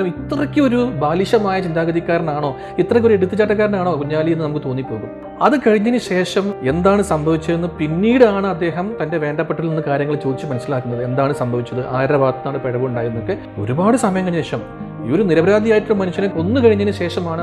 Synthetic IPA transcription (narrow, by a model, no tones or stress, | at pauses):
ɐmit̪ːrɐkʲːɨo̞ɾubaːliɕɐmaːjɐt͡ɕind̪aːɡɐðikʲːaːɾɐnaːɳo̞ː | it̪ːrɐkʲːo̞ɾueɽut̪ːɨt͡ɕːaːʈːɐk̬ːaːɾɐnaːɳo̞ːkuɲːaːlijenːɨnɐmukːɨt̪o̞ːnːipːo̞ːɣum | ɐðɨkɐɻiɲːɐnɨɕe̞ːʂɐme̞nd̪aːɳɨsɐmbʱɐʋit͡ɕːɐenːɨpinːiːɽɨaːɳɨɐd̪ːe̞ːɦɐmt̪ɐnde̞ʋe̞ːɳɖɐpːeʈːilinːɨkaːɾjɐŋːɐɭet͡ɕoːd̪it͡ɕːɨmɐnɐsːilaːkːunːɐðɨe̞nd̪aːɳɨsɐmbʱɐʋit͡ɕːɐðɨʔaːɾɾɐʋaːt̪ːɐnaːɽɨpeɻɐʋuuɳɖaːjiɾunːokːe | o̞̰ɾubaːɽɨsɐmɐjɐmkɐɲːɐiʂɐm | io̞ɾuniɾɐbɾaːd̪ijaːjiʈːulɐmɐnuɕːɐnekːo̞nːɨkɐɻiɲːɐnɨɕe̞ːʂɐmaːɳɨ